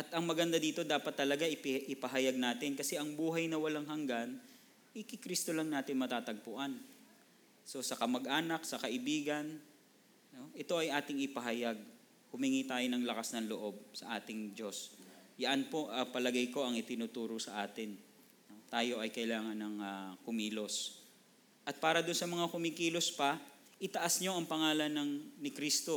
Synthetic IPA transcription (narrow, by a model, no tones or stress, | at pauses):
ʔɐt̪ʔɐŋmɐɡɐnd̪ad̪iːt̪o̞d̪aːpɐt̪ːɐlɐɡaʔɪpʔɪpɐɦɐjaɡ̚naːt̪ɪnkɐsɛʔɐŋbuːɦɐjnɐwɐlaŋɦɐŋɡan | ʔɪkɪkɾist̪o̞lɐŋnaːt̪ɪnmɐt̪aːt̪ɐɡ̚pʊʔan | so̞sɐkɐmɐɡ̚ʔaːnɐk̚sɐkɐʔɪbiːɡɐn | no̞ʔɛt̪o̞ʔɐjʔaːt̪ɪŋɪpɐɦɐjaɡ̚ | hʊmiŋit̪aːjonɐŋlɐkasnɐŋloʔo̞b̚sɐʔaːt̪ɪŋd͡ʒo̞sjɐʔanpo̞ʔɐpɐlɐɡɐjko̞ʔɐŋɪt̪ɪnuːt̪uːɾosɐʔaːt̪ɪn | no̞t̪aːjo̞ʔɐjkɐɪlaːŋɐnɐŋakʊmiːlo̞s | ʔɐt̪̚paːɾɐd̪ʊnsɐmɐŋakʊmikiːlospɐ | ʔɪt̪ɐʔasɲoʔɐŋpɐŋaːlɐnːɐŋnɪkɾist̪o̞